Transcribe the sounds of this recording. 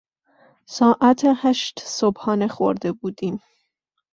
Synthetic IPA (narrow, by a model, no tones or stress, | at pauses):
sɒːʔæt̪ʰehæʃt̪sobhɒːnexo̰ɾd̪ebuːd̪iːm